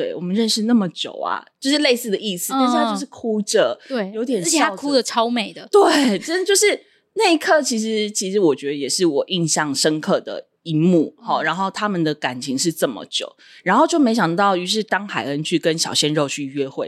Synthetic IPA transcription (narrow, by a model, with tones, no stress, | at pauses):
t̪we˥˩ɪwɔ˨˩mə˦nɻə˥˧nʂɻ̩˥˧na˥˩mə˩t͡ɕjo̰˨˩ʊa̰˩t͡ɕjo˥˧ʊʂɻ̩˥˧le˥˧ɪsɹ̩˥˩d̪ə˩i˥˩s̩˨˩a˥˧˥o˥˧ʊʂɻ̩˥˩kʰu˥ʈ͡ʂə˨˩wjo˧˥ʊt̪jɛ˨˩n˥˩i˨˩˥a˥kʰu˥d̪ə˨ʈ͡ʂʰɑ˥ʊme˨˩ɪd̪ə˩t̪we˥˩ɪʈ͡ʂə˥nə˨˩t͡ɕjo˥˧ʊʂɻ̩˥˩ | na˥˧ɪi˧˥kʰɤ˥˩t͡ɕʰi˧˥ʂ̬ɻ̩˧˦t͡ɕʰi˧˥ʂɻ̩˧˥wɔ˨˩t͡ɕɥɛ˧˥d̪ə˧jɛ˨˩ʂɻ̩˥˩wɔ˨˩ʔi˥˧ŋɕjɑ˥˩ŋʂə˦nkʰɤ˥˩d̪ə̰˩ | i˧˥mu˥˨˩hɑ˥˩ɻa˧˥nxo˥˩ʊt̪ʰa˥mə˨nd̪ə˩ka˨˩nt͡ɕʰi˧˥ŋʂɻ̩˥˧ʈ͡ʂə˥˩mə̰˩t͡ɕjo̰˨˩ʊ | ɻa˧˥nxo˥˧ʊt͡ɕjo˥˩me˧˥ɪɕjɑ˨˩ŋt̪ɑ˥˩ʊy˧˥ʂ̬ɻ̩˥˩t̪ɑ˥ŋxa˨˩ɪə˦nt͡ɕʰy˥˩kə˦nɕjɑ˨˩ʊɕjɛ˥nɻo˥˧ʊt͡ɕʰy˥˩˧ɥɛ˥xwe˥˩ɪ